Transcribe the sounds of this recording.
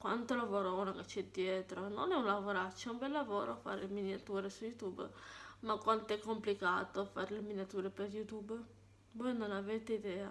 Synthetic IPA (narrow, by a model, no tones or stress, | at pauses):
kwant̪olavoːɾounaket͡ʃːɛd̪jɛt̪ɾononɛunlavoɾat͡ʃɛumbɛlːavoːɾoafa̰ɾlminjat̪uːɾesujut̪ubmakːwant̪oɛkːomplika̰ːt̪ofaɾeleminjat̪uːɾepeɾjut̪ub | vɔjnonavet̪eid̪ɛːa